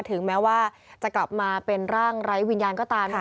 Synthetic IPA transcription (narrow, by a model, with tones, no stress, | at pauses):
t̪ʰɯ˨˩˦ŋmɛː˦˥waː˥˩ | t͡ɕa˨˩kla˨˩p̚maː˧pe˧nɾaː˥˩ŋɾa˦˥jwi˧njaː˧nkɔː˥˩t̪aː˧m